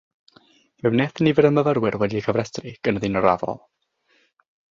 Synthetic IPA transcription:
mɛwnɛθənivəɾəməvəɾwɪrwɛdiəkʰəvrɛstʰriɡ̥ənəðinɔɾavɔ̰lˠ

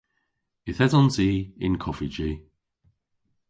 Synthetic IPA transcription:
ɪθɛzɔnsiːɪ̰nkʰɔfid͡ʒiː

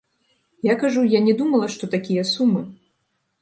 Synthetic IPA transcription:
jakaʐujanʲɛd̪umɐlˠɐʂt̪ɔt̪akʲijɐsumːɨ

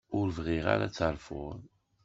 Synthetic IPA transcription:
ʊɾvʁiʁa̰ɾa̰t͡sːəɾˤfʊðˤ

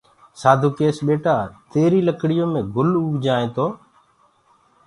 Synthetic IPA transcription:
saːd̪ʱuːkeːsɓeːʈaːt̪eːɾiːləkɽɪjõːmẽːɡʊluːʋd͡ʒaːẽːt̪oː

